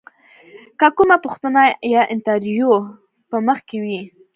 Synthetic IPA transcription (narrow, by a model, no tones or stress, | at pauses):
kakʊmapʊxt̪anajɑʔɪnt̪aɾjo | pəməxkewi